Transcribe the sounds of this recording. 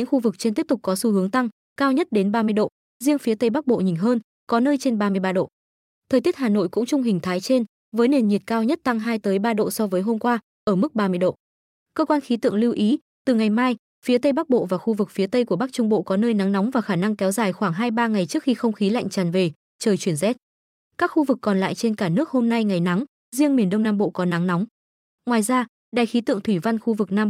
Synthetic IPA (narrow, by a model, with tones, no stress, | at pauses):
ɲɨ̰˧˥ŋxu˧vɨ˨˩k̚t͡ɕe˧nt̪i˦˥p̚t̪ʊ˨˩k̚kɔ˨˦su˧hɨ˨˦əŋt̪a˧ŋ | kaː˧wɲə˦˥t̚ɗe˨˦nɓaː˧mɨ˧əjɗo̰˧˨ | zi˧əŋfi˨˦ət̪ə˧jɓa˦˥k̚ɓo̰˧˨ɲi̟˨˩ɦəː˧n | kɔ˨˦nəː˧jt͡ɕe˧nɓaː˧mɨ˧əjɓaː˧ɗo̰˧˨ | t̪ʰəː˨˩jt̪i˦˥ət̚haː˨˩no̰˧˨jkʊ̰˧˥ŋ͡mt͡ɕʊ˧ŋ͡mɦï˨˩ŋ̟t̪ʰaː˨˦jt͡ɕe˧n | vəː˨˦jne˨˩nɲi˨˩t̚kaː˧wɲə˦˥t̚t̪a˧ŋɦaː˧jt̪əː˨˦jɓaː˧ɗo̰˧˨sɔ˧vəː˨˦jɦo˧mkwaː˧ | ʔəː˧˩mɨ˦˥k̚ɓaː˧mɨ˧əjɗo̰˧˨ | kəː˧kwaː˧nxi˨˦t̪ɨ̰˧˨əŋli˧wʔi˨˦ | t̪ɨ˨˩ŋa˨˩jmaː˧j | fi˨˦t̪ə˧jɓa˦˥k̚ɓo̰˧˨vaː˨˩xu˧vɨ˨˩k̚fi˨˦ət̪ə˧jku˧˩əɓa˦˥k̚t͡ɕʊ˧ŋ͡mɓo̰˧˨kɔ˨˦nəː˧jna˨˦ŋnɔ˨˦wŋ͡mvaː˨˩xaː˧˩na˧ŋkɛ˨˦wzaː˨˩jxwaː˧˩ŋɦaː˧jɓaː˧ŋa˨˩jt͡ɕɨ˦˥ək̚xi˧xə˧wŋ͡mxi˨˦la̰˧˨jŋ̟t͡ɕaː˨˩nve˨˩ | t͡ɕəː˨˩jt͡ɕwi˧˩ənzɛ˦˥t̚ | kaː˦˥k̚xu˧vɨ˨˩kːɔ˨˩nla̰ː˧˨jt͡ɕe˧nkaː˧˩nɨ˦˥ək̚ho˧mna˧jŋa˨˩jna˨˦ŋ | zi˧əŋmi˨˩ənɗə˧wŋ͡mnaː˧mɓo̰˧˨kɔ˨˦na˨˦ŋnɔ˨˦wŋ͡m | ŋwaː˨˩jzaː˧ | ɗaː˨˩jxi˨˦t̪ɨ̰˧˨əŋt̪ʰwi˧˩va˧nxu˧vɨ˨˩k̚naː˧m